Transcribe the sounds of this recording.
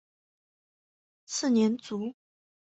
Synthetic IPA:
t͡sʰɹ̩˥˩njɛ˧˥nt͡su˨˧˥

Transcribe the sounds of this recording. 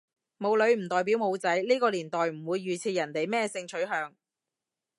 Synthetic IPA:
mo˨˧wlɵ˨˧ɥm̩˨˩t̪ɔː˨˩jp̬iː˨˥wmo˨˧wt͡sɐ˨˥jliː˥kɔː˧liː˨˩nt̪ɔː˨jm̩˨˩wuː˨˧jːyː˨t͡sʰiː˧jɐ˨˩nt̪e˨jmɛː˥sɪ˧ŋt͡ʃʰɵ˨˥ɥɦœː˨˧ŋ

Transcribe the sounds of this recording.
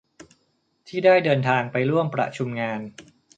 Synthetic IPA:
t̪ʰiː˥˩daː˥˩jdɤː˧nt̪ʰaː˧ŋpa˧jɾu˥˩əmpɾa̰˧˩t͡ɕʰu˧mŋaː˧n

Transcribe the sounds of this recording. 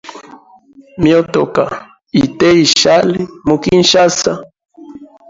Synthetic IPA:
mjot̪oka˨ | it̪e˦iʃa˦lɪ˦muki˦nʃa˦sa˦

